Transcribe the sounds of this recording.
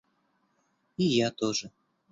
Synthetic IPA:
ijat̪ɔʐə

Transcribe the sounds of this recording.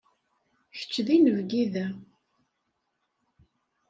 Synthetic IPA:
çə̥t͡ʃːðinəvɡiðæ

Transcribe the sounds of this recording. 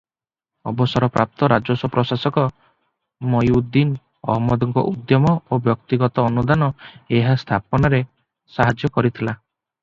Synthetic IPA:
ɔ̰bɔsɔɾɔpɾap̚t̪ɔɾad͡ʒɔsɔpɾɔsasɔkɔ | mɔjud̪ːin | ɔ̰ɦɔmɔd̪ɔŋkɔ̰ʔud̪jɔmɔobjɔkt̪iɡɔt̪ɔːnud̪anɔeɦast̪ʰapɔnaɾe | saɦad͡ʒjɔkɔɾit̪ʰila

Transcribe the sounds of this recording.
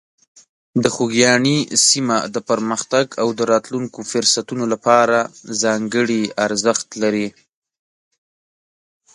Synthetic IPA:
d̪əxuɡjɑɳisimad̪əpəɾməxt̪aɡawd̪əɾɑt̪luŋkofʊɾsat̪unolapɑɾazɑŋɡəɽiaɾzəxt̪laɾi

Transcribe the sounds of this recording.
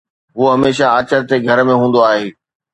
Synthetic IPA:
ɦuoɦɐmeːʃaːt͡ɕəɾt̪eɡʱɐɾmẽɦũːn̆d̪oaːɦeː

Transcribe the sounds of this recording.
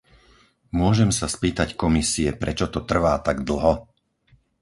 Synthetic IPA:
mʊɔʒɛmsaspiːt̪ackɔmisiɛpɾɛt͡ʃɔt̪ɔt̪r̩ʋaːt̪aɡd̪l̩ɦɔ

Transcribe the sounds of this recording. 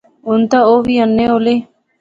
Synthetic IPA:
ʊnt̪aoːʋiːənːeːoːleː

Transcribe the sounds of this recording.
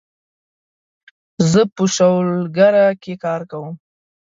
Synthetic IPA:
zəpəʃawlɡaɾakekɑɾkawəm

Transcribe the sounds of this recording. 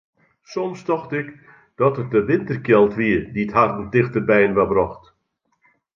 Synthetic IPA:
sɔmstɔxtɪk | d̥ɔtət̚dəʋɪntərkjɛlˠtʋiədiəthartəndɪxtərbɛjnʋabrɔxt

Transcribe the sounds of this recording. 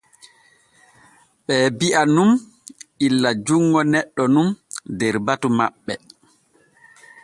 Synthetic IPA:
ɓɛːbiʔanum | ilːad͡ʒuŋːɔnɛɗːɔnumdɛɾbatumaɓːɛ

